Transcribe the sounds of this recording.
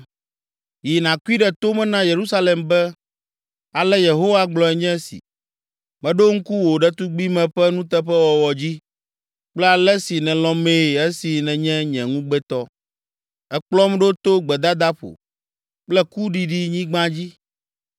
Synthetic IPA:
ji˨nã˨ku˦i˦ɖɛ˨t̪o˦mɛ̃˦nã˦je˨ɾu˦sa˦lɛ˨mbɛ˦ | a˨lɛ˦je˨ɦo˦wa˦ɡ͡blɔ˨ɛ˨ɲɛ̃˦sḭ˨ | mɛ̃˨ɖo˦ŋ̩˦ku˦wo˨ɖɛ˦t̪u˦ɡ͡bi˦mɛ̃˨ɸɛ˦nũ˦t̪ɛ˦ɸɛ˦wɔ˨wɔ˨d͡ʑi˦ | k͡plɛ˦a˨lɛ˦si˨nɛ̃˨lɔ̃˦me˦˨ɛ˦si˨nɛ̃˨ɲɛ̃˦ɲɛ̃˨ŋũ˦ɡ͡bɛ˦t̪ɔ˦ | ɛ˦k͡plɔ˦mɖo˦t̪o˦ɡ͡bɛ˨d̪a˦d̪a˦ɸo̰˨ | k͡plɛ˦ku˦ɖi˨ɖi˦ɲĩ˦ɡ͡bã˦d͡ʑi˦

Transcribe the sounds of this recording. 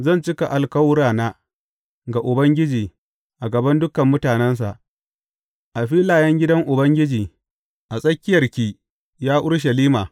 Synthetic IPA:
zɐ˦˨nt͡ʃɪ˦ka˨ʔa˨lkɐ˦wɽaː˨naː˦ | ɡa˨ʔʊ˨bɐ˦ŋɡʲɪ˦d͡ʒiː˨ | ʔa˨ɡɐ˨bɐ˦ndʊ˦kɐ˨mːʊ˦taː˨nɛ˦ns̬a̰˨ʔ | ʔa˨ɸiː˦laː˨jɐ˦ŋɡʲɪ˦dɐ˦ŋʔʊ˨bɐ˦ŋɡʲɪ˦d͡ʒiː˨ | ʔa˨sʼɐ˦kʲːɪ˦jɐ˨rkʲiː˦ | jaː˦ʔʊ˦ɽʃ̬ɐ˨liː˦maː˨

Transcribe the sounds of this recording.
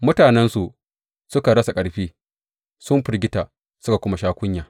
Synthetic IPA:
mʊ˦taː˨nɛ˦nsu˨ʔ | sʊ˦ka˨ɽɐ˦sa˨kʼɐ˨ɽɸiː˦ | sʊ˦mɸɪ˨ɾɡʲɪ˦taː˨ | sʊ˦ka˨kʷʊ˦ma˨ʃaː˦kʷʊ˦ɲjaː˨

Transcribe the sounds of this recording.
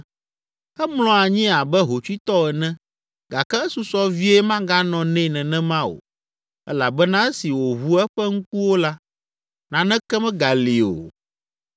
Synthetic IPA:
ɛ˦ml̃ɔ̃˨a˨ɲĩ˦a˨bɛ˦ɦo˨t͡ʃu˦i˦t̪ɔ˦ɛ˨nɛ̃˦ | ɡa˨kɛ˦ɛ˦su˨sɔ˦vi˦ɛ˦mã˦ɡa˦nɔ̃˨nɛ̃˦˨nɛ̃˨nɛ̃˦mã˦o̰˨ | ɛ̰˦la˨bɛ˦nã˦ɛ˦si˨wo˨βu˦ɛ˦ɸɛ˦ŋ̩˦ku˦wo˦la˦ | nã˨nɛ̃˦kɛ˦mɛ̃˦ɡa˨li˨o̰˨

